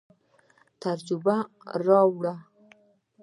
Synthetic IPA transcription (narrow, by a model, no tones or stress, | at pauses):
t̪aɾd͡ʒuba | ɾɑwɽa